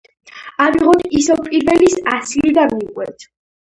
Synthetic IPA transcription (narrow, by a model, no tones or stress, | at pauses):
amiʁɔd̪isɛwpʼiɾvɛlisasilid̪aiqʼwɛ̰t̪ʰ